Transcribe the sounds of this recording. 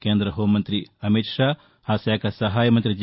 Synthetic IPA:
keːnd̪ɾɐɦoːmɐnt̪ɾiɐmit̪ʂaː | haːsjaːkɐsɐɦaːjɐmɐnt̪ɾid͡ʒ

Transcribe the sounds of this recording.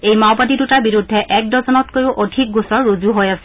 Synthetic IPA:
ejmawpadidutaɹbiɹudʱːɛʔɛk̚dɔzɔnɔtkojʊʔodʱik̚ɡusɔɹːozuɦojasɛ̥

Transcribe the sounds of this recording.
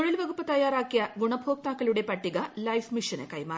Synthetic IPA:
oɭilʋɐɣupːɐt̪ɐjaːɾaːkːijɐɡuɳɐbʱoːk̚t̪aːkːɐluɽe̞pɐʈːiɣɐlɐjfmiʂɐnḛkɐjmaː

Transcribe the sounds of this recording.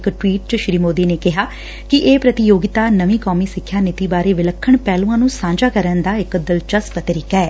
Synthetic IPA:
kʈwiːʈ̚t͡ʃəʃɾiːmoːd̪iːneːkɪɦaː | kɪʔeːpɾət̪ɪjoːɡɪt̪aːnəʋĩːkɔːmiːsɪkʰːjaːnɪt̪iːbaːɾeːʋɪləkʰːəɳpɛːlũːãːnũːsãːɲd͡ʒaːkəɾənd̪aːɪkd̪əlt͡ʃəspət̪ɾɪkɛː

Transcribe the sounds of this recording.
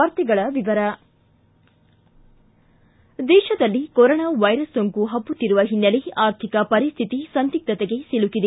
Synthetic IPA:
ɐːɾt̪iɡɐɭɐʋiʋɐɾɐ | d̪ɛːʃɐd̪ɐlːikɔɾoːnaːʋɐjɾɐsːoŋkuɦɐbːut̪ːiɾuʋɐɦinːɐleaːɾt̪ʰikɐpɐɾist̪ʰit̪isɐnt̪ik̚t̪ɐt̪eɡe̞silukid̪e

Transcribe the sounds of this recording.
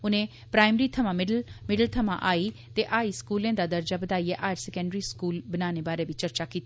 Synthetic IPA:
ʊnẽː | pɾaːɪmɾiːt̪ʰəmãːmɪɖlmɪɖəlt̪ʰəmã̰ʔaːiːt̪eːʔaːiːskuːlẽːd̪aːd̪əɾd͡ʒaːbəd̪aːiɛːʔaːd͡ʒsɛkə̃ɳɖɾiːskuːlbənaːneːbaːɾeːʋɪt͡ʃəɾt͡ʃaːkiːt̪ː

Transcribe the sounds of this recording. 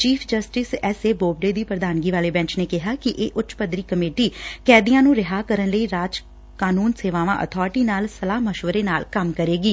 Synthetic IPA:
t͡ʃiːpʰd͡ʒəsʈɪsɛːseːboːb̚ɖeːd̪iːpɾəd̪aːnɡiːʋaːleːbɛ̃ːɲt͡ʃneːkɪɦaːkɪʔeːʔʊtːʃpəd̪ɾiːkəmeːʈiːkɛːd̪ijãːnũːɾɪɦaːkəɾənləiːɾaːd͡ʒ | kaːnuːnseːʋaːʋãːʔə̰t̪ʰɔːɾʈiːnaːlsəlaːɦməʃʋəɾeːnaːlkəmkəɾeːɡiː

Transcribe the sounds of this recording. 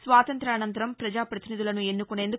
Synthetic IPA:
sʋaːt̪ɐnt̪ɾɐːnɐnt̪ɐɾɐmpɾɐd͡ʒaːpɾɐt̪inid̪ulɐnue̞nːukuɳe̞ːnd̪u

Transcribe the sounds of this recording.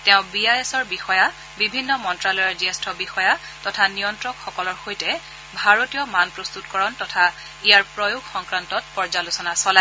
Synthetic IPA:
tɛʊ̃biajesɔɹbixɔja | bibʱinːɔmɔntɹalɔjɔɹziɛstʰɔbixɔja | tɔtʰanijɔntɹɔkxɔkɔlɔɹxojtɛ | bʱaɹotijɔmanpɹɔst̪utkɔɹɔntɔtʰa | ijaɹpɹɔjuɡxɔŋkɹantɔt̚pɔɹzalʊsɔnasɔla

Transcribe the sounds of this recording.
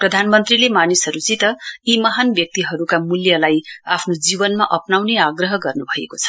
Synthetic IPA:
prʌd̪ʱanmʌnt̪rilemanisɦʌɾut͡sit̪ʌimʌɦanbjʌk̚t̪iɦʌɾukamuljʌlajapʰnod͡zibʌnmaʔʌpnawneaɡrʌɦʌɡʌrnubʱʌḛkot͡sʰʌ̥

